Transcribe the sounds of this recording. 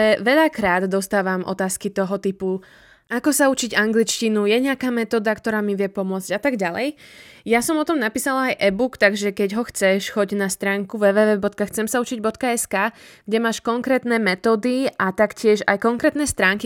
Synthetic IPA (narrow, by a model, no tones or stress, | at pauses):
ɛʋɛʎakɾaːd̪d̪ɔst̪aːʋamʔɔ̰t̪aːskit̪ɔɦɔt̪ipu | akɔsaut͡ʃiɟaŋɡlit͡ʃcinujɛɲɪakaːmɛt̪ɔːd̪akt̪ɔɾaːmiʋɪɛpɔmʊɔd͡zɟat̪aɡɟalɛ̰jjasɔmɔt̪ɔmnapiːsalaajʔɛbukt̪aɡʒɛkɛɟɦɔxt͡sɛʃxɔɟnast̪ɾaːŋkuʋɛːʋɛːʋɛːbɔt̪kaxt͡sɛmsaut͡ʃiɟbɔt̪kaɛskaːɡ̥ɟɛmaːʃkɔŋkɾɛːt̪nɛmɛt̪ɔːd̪iat̪akcɪɛʒa̰jkɔŋkɾɛːt̪nɛst̪ɾaːŋki